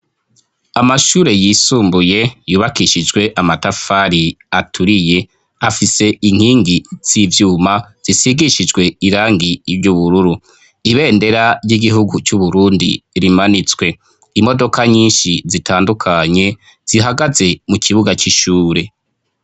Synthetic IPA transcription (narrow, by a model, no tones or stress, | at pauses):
amaʃuːɾe̞jiːsuːmbuje̞juːβakiʃid͡ʒɡwe̞ʔamatafaːɾiatʰuɾije̞ | afise̞iŋ̥hiːŋɡiz̥ivjuːmaz̥isiɡiʃid͡ʒɡwe̞iɾaːŋɡiːvɟuβuɾuɾu | iβe̞ːnde̞ɾaɾɟiɡiɦuɡut͡ʃuβuɾuːndiɾimanit͡swe̞ | imo̞do̞kaɲiːnʃizitʰaːndukʰaɲe̞ | z̥iɦaɡaze̞mukiβuɡat͡ʃiʃuːɾe̞